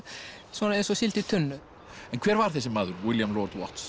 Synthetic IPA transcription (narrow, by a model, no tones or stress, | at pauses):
svɔːnaɛjnsɔsɪlt̪ɪt̪ʰʏnːʏ | ɛnkʰvɛːɾvaɾ̥θɛs̬ɪmaːðʏɾwɪljamlɔɾt̪wɔ̰ht̪s